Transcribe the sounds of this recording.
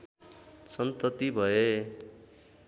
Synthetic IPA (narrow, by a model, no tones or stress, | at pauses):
sʌnt̪ʌt̪ibʱʌje